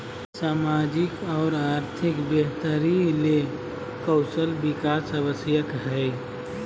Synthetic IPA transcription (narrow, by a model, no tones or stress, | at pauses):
saːmad͡ʒɪkɔːɾaːɾt̪ʰɪkbjəɦt̪əɾile | kɔʊsəlbɪkaːsəbəsjəkɦɛɪ